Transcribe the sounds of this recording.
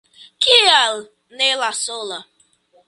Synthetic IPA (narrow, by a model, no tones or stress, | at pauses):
kial | nelasola